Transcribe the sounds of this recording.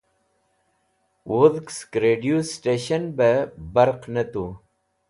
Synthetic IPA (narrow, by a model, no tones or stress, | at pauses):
wuðkskɾeːɖijusʈeːɕɐnbebɐɾqnɐt̪u